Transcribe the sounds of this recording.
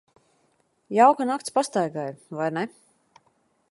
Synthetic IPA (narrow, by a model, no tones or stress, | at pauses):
jawkanakt̪spast̪ajɡajvajnɛ